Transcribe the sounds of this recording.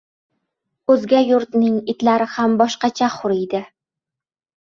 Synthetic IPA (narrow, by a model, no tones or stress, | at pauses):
ɵzɡʲajʊɾt̪nɪŋɪt̪laɾɪhambɒʃqɑt͡ʃʰaχʊɾɪjd̪ɪ